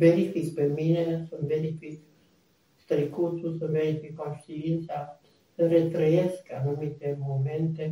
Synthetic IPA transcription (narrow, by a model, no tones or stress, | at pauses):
beɾifikpeminesəmbeɾifik | st̪ɾikut̪usəbeɾifikonʃt̪iint̪sa | səɾet̪ɾəjeskanumit̪emoment̪e